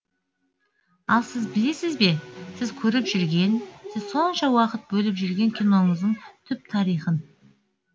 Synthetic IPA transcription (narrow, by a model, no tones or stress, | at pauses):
ɑlˠsɪzbɪle̞sɪzbe̞sɪzkʲʰɵɾɪpʒʏɾɡʲe̞nsɪz̥so̞nʃɑwɑqət̪̚bɵlɪpʒʏɾɡʲe̞ŋkʲʰijno̞ɴəzd̪əɴt̪ʰʏp̚t̪ʰɑɾijχən